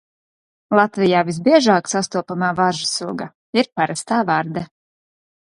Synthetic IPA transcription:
lˠat̪vʲijaːvizbiɛʒaːksast̪uɔpamaːvaʒasuɡa | iɾpaɾast̪aːvaɾd̪a

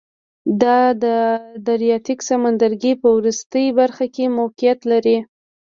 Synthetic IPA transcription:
d̪ɑd̪əd̪aɾijɑt̪iksamand̪aɾɡipəwɾust̪əjbaɾxakemowqɪjat̪laɾi

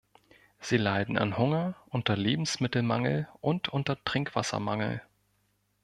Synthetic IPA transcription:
z̥iːlaɪdn̩a̰nhʊŋɐʔʊntɐleːbm̩smɪtl̩maŋl̩ʔʊntʰʔʊntɐtʁ̥ɪŋkv̥asɐ̰maŋl̩

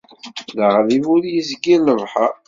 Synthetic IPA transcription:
ləʁlivuɾjizɡiləvħə

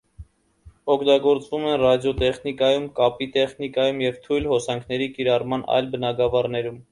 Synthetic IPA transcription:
ɔkʰt̪ɑɡɔɾt͡svumɛnrɑd̪jɔt̪ɛχnikɑjumkɑpit̪ɛχnikɑjumjɛvt̪ʰujlhɔsɑŋkʰnɛɾikiɾɑrmɑnɑ̰jlbənɑɡɑvɑrnɛɾum

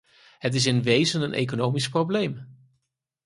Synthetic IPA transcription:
ɦət̬ɪs̬ɪnʋejzənənʔḛjk̬onowmisprowblejm

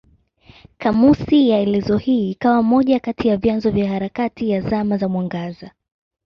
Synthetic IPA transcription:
kamusijaɛlɛzɔhiːkawamɔʄakatijavjanzɔvjahaɾakatijazamazamwaŋɡaza

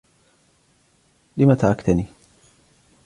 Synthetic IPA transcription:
lɪmat̪aʕakt̪aniː

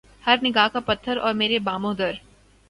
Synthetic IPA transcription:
hɐɾnɪɡaːkapɐt̪ʰːəɾɔːɾmeːɾebaːmõːd̪əɾ

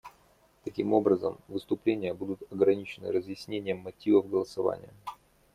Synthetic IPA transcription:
t̪ɐkʲimo̞bɾəzə̰mvɨst̪ʊplʲenʲɪjəbud̪ʊt̪ɐɡɾɐnʲit͡ɕɪnɨ̰ɾəzjɪsʲnʲenʲɪjəmːɐtʲivəvɡəlˠəsɐva̰nʲɪ̰jə

